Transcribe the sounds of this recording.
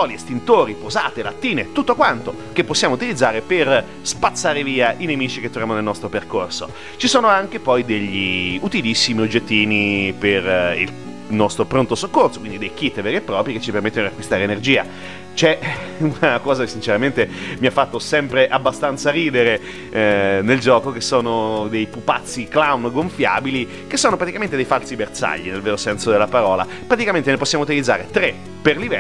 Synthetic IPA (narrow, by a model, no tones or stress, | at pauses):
ɔːliest̪int̪oːɾipozaːt̪elat̪ːiːnet̪ut̪ːokwant̪o | k̟epːosːjaːmout̪ilid̪zːaːɾeper | spat̪sːaːɾeviːaʔinemiːt͡ʃiket̪ːɾovjamonelnɔst̪ɾoperkorso̰ | t͡ʃisoːnoaŋk̟epɔjd̪eʎːiut̪ilisːimiod͡ʒːet̪ːiːniperḭl | nɔst̪ɾopɾont̪osokːortso̥kwind̪id̪ejk̟it̪ːvɛɾepːɾɔːpɾjik̟et͡ʃːipermet̪ːenod̪iakːwist̪aːɾeːnerd͡ʒiːa | t͡ʃɛ | unakɔːzakesːint͡ʃeɾament̪emiafːat̪ːosɛmpɾeʔabːast̪ant̪saɾiːd̪eɾe | neld͡ʒɔːkok̟esːoːnod̪ejpupat̪sːiklawnɡoɱfja̰ːbili | kesːoːnopɾat̪ikament̪ed̪ejfalsibert̪sa̰ʎːinelveːɾosɛnsod̪elːapaɾɔːla̰ | pɾat̪ikament̪eneposːjamout̪ilid̪zːaːɾet̪ɾe | perlivɛ